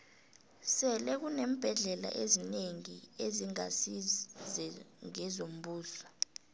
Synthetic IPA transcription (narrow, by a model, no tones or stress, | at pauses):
sɛlɛk̬unem̩b̥ʱɛɮɛla̰ʔezineŋieziŋa̰sizɛŋɛzom̩ɓuːsa